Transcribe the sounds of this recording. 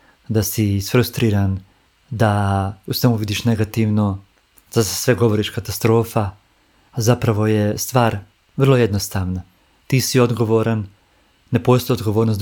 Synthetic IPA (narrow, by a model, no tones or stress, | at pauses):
d̪asiːsfɾust̪ɾiːɾan | d̪ausʋemuʋid̪iːʃne̞ɡat̪iʋno̞ | z̥ḁsʋe̞ɡo̞ʋo̞ɾiʃkat̪ast̪ɾo̞ːfa | zapɾaʋo̞jest̪ʋaːɾ | ʋr̩lˠoje̞d̪nost̪aːʋna | t̪iːsio̞d̪ɡo̞ʋoɾanː | epo̞st̪ojod̪ɡoʋo̞ːɾnos